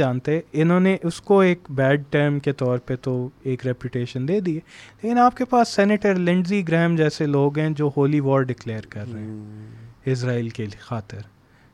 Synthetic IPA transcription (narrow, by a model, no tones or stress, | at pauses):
aːnt̪eɦɛ̃ɪnɦõːneʔʊskoeːkbɛːɖ̚ʈəɾmket̪ɔːɾpəɾt̪oeːkɾɛpjʊʈeːʃənd̪eːd̪ieleːkɪnaːp̚kepaːsːɛːneʈəɾlɪ̃ɳɖziɡɾɛːmd͡ʒɛːseloːɡɦɛ̃d͡ʒoːhoːliʋɔːɾɖɪkleːəɾkɐɾːɛɦɛ̃ːɪs̬ɾaːilkexaːt̪ɪɾ